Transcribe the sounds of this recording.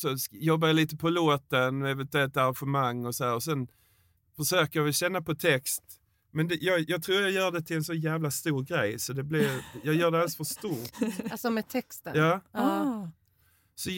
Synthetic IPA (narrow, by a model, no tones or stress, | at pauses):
sɔsjɔbːajɑliːt̪əpʰɔloːt̪ənmɑvɛːt̪d̪ɛːt̪aɾanɧəmaŋːɔsɔhæːɾɔsɛn | fœʂøːkəjɑvɛlɕɛnːapʰɔt̪ʰɛkst̪ | mɛnd̪jɑːɡjɑːɡ̚t̪ʰɾuːɾjɑjœːɖɛt̪ʰɪlɛnsɔnjæːvlast̪uːɾɡɾɛjsɔd̪ɛblɪɾjɑːɡjœːɖɛalsfœʂt̪uːɾtsɔmɛt̪ʰɛkst̪ənjɑː | sɔ